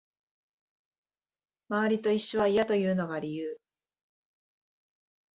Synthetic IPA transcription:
maβaɾʲit̪o̞iɕːiβaijat̪o̞jɯ̟ːno̞ɡaɾʲijɯː

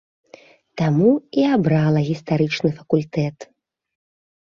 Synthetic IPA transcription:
t̪amuiabɾalˠɐɣʲist̪aɾɨt͡ʂnɨfɐkulʲt̪ɛt̪

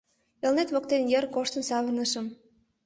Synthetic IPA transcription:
elnet̪βok̚t̪enjerkoʃt̪ə̆nsɑβə̆rnə̆ʃə̆m

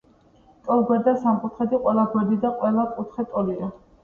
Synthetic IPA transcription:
t̪ʼɔlˠɡwɛɾd̪asamqʼut̪ʰχɛd̪iqʼwɛlˠaɡwɛɾd̪id̪aqʼwɛlakʼut̪ʰχɛt̪ʼɔlia

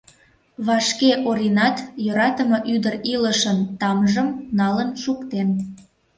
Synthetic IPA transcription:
βɑʃkeʔoɾinɑt̪jøɾɑt̪əmɤʔyd̪əriləʃənt̪ɑmʒəmnɑlənʃukt̪en

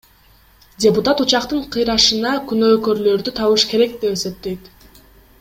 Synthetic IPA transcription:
dʲeput̪at̪ut͡ʃɑqt̪ɯɴqʰɯjɾɑʃɯnɑkynøːkø̞ɾlø̞ɾd̪yt̪ʰɑβɯʃke̞ɾe̞k̚d̪e̞pese̞p̚t̪e̞jt̪

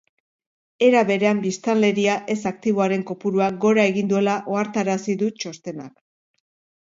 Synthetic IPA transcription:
e̞ɾaβe̞ɾe̞ambist̪anle̞ɾiaʔe̞sak̚t̪iβo̞aɾe̞ŋko̞puɾuaɡo̞ɾae̞ɣind̪ue̞laʔo̞aɾt̪aɾasiðut͡ʃo̞st̪e̞na̰k

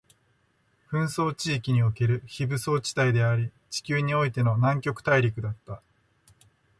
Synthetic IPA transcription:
ɸɯ̟̃ɰ̃so̞ːt͡ɕiːkʲiɲ̟io̞ke̞ɾɯ̟çibɯ̟so̞ːt͡ɕi̥t̪aid̪e̞aɾʲi | t͡ɕi̥kʲɨːɲ̟io̞it̪e̞no̞nãŋkʲo̞kɯ̟̥t̪aiɾʲikɯ̟d̪at̪ːa

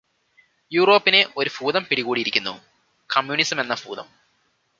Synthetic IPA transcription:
juːro̞ːpːine̞ʔo̞ɾubuːðɐmpiɽiɣuːɽiɾikʲːunːṵ | kɐmjunisɐme̞nːɐbuːðɐ̰m

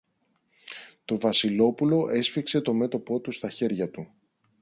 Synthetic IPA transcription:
t̪o̞vɐsilo̞pulo̞ʔe̞sfikse̞t̪o̞me̞t̪o̞po̞t̪ust̪ɐçe̞ɾʝɐt̪u

